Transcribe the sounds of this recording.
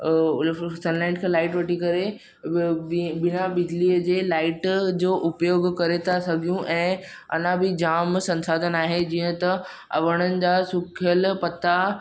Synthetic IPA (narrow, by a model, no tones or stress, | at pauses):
sɐnlaɪ̃ʈkʰẽːlaːɪʈʋɐʈikɐɾe | bɪnabɪd͡ʑliːəd͡ʑeːlaːɪʈd͡ʑoːʔʊpjoːɡkɐɾet̪ʰasɐɡʱijũʔɛ̃ː | ɐ̰n̤ãbʱɪd͡ʑaːmsɐ̃nsaːd̪ʱənaːɦed͡ʑiːə̃t̪ɐ | ɐ̰ʋəɽ̃ənɪ̆d͡ʑaːsʊkʰɪjəlpɐt̪a